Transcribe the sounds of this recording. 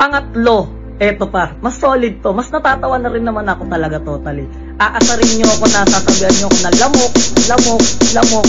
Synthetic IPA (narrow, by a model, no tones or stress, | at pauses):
pɐŋɐt̪lo̞ | ʔɛt̪o̞pɐmɐsːo̞ːlɪd̪̚t̪o̞mɐsnɐt̪aːt̪ɐwanːɐɾɪnːɐmanɐko̞t̪ɐlɐɡat̪oːt̪ɐlɪ | ʔaːʔɐsɐɾɪnɲoɐko̞nɐsaːsɐbihɐnɲoʔɐkonɐlɐmok̚lɐmo̞k̚lɐmo̞k̚